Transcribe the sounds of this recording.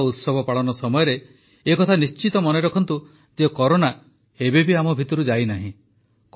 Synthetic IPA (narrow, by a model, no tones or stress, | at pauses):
ut̪sɔbʱɔpaɭɔnɔsɔmɔjɔɾeː | kɔt̪ʰanist͡ʃit̪ɔmɔneɾɔkʰɔnt̪u | d͡ʒekɔɾona | ebebiamɔbʱit̪ɔɾud͡ʒajnaɦĩ | k